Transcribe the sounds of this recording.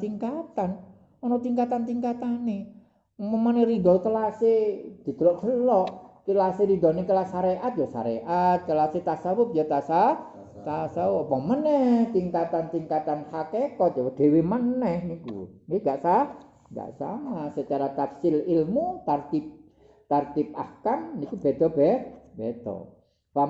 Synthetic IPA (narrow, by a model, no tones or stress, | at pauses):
t̪iŋkat̪an | ɔnɔt̪iŋkat̪ant̪iŋkat̪ane | məməneɾid̪ɔt̪əlased̪̥i̤d̪̥əlɔʔɡ̥əlɔʔkilaseɾid̪ɔ̤nekəlasaɾeʔat̪̚jɔsa̰ɾḛʔat̪̚kəlaset̪asabʊp̚jɔt̪asa | t̪asawɔʔpɔmənɛht̪iŋkat̪ant̪iŋkat̪anhakekɔt̪̚jɔd̥e̤wemənɛhnikṵŋɡeŋɡaʔsa | ŋɡa̰ʔsa̰masət͡ʃaɾat̪apsɪlilmut̪art̪ip̚ | t̪art̪ɪp̚akannikub̥ɛd̪̥ɔbɛbed̪̥ɔ̰ | pa